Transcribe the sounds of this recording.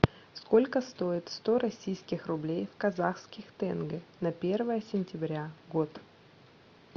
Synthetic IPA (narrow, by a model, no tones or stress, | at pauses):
sko̞lʲkəst̪o̞ɪt̪st̪o̞ɾɐsʲijskʲɪxrʊblʲejfkɐzaxskʲɪxt̪ɛnɡənɐpʲervəjəsʲɪnʲtʲɪbɾʲaɡot̪